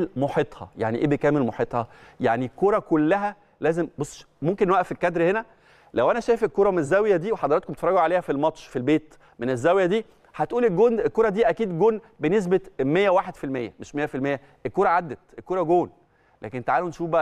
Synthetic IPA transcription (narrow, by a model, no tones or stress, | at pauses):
lmoħet̪ˤhɑ̰jaʕniʔeːbekæːmelmoħiːt̪ˤhɑjaʕnikːoɾˤɑkolːæɦæ | læːzembosˤː | momkenːwæʔæfelkæd̪ɾhenæ | læwʔænæʃæjefelkːoːɾˤɑmenezːæwjæd̪iːweħɑd̪ɑɾˤɑt̪̚komt̪e̥fɾˤɑɡoʕaleːhæfilmɑt̪ʃfilbeːt̪ | menezːæwjæd̪iː | ħæt̪ʔuːlelɡoːnelkoɾˤɑd̪iːʔækiːd̪ɡoːn | benes̬bemejːæwaːħed̪filmejːæmeʃmejːæfilmejːæ | ʔelkoːɾˤɑʕad̪ːæt̪ʔelkoːɾˤɑɡoːn | læ̰ːkent̪aʕaːlonʃuːfbæʔ